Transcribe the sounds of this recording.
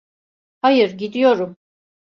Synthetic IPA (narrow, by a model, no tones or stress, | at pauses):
hajɯɾɟid̪ijo̞ɾum